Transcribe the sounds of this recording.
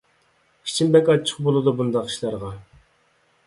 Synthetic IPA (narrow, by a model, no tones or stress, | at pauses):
i̥t͡ʃʰimbɛkʲɑt͡ʃʰə̥qbolˠɨd̪ubund̪ɑqi̥ʃlˠɑɾʁɑ